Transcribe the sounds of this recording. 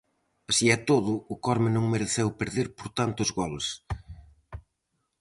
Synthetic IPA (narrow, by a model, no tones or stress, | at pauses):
ɐsiɛt̪oðʊʊkɔɾmɪnõŋmeɾeθewpeɾðeɾpoɾt̪ant̪ʊzɣɔls